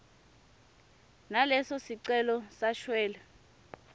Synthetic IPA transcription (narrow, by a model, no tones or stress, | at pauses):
nalɛsɔsiǀɛlɔsaʃwɛːlɛ